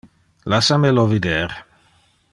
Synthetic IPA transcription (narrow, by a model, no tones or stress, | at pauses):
lasamelovid̪eːɾ